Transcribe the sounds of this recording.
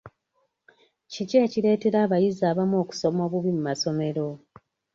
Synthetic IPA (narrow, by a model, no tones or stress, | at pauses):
cice̞ːciɾe̞ːte̞ɾaːβajizaːβamo̞ːku̥so̞moβuβimumaso̞me̞ɾo̞